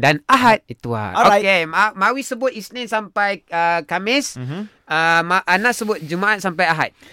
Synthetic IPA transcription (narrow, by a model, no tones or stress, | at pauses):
danaɦat̪̚it̪ua̰okemamawisəbʊt̪isnẽnsampajəkamɪs | əmaʔanãʔsəbʊt̪̚d͡ʒumaʔat̪̚sampajaɦa̰t̪̚